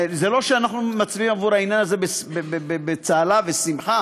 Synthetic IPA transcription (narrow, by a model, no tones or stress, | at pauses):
zelo̞ʃeanaχnumat͡siimavuʁainjanaze̞besbebebebet͡saːlavesimχa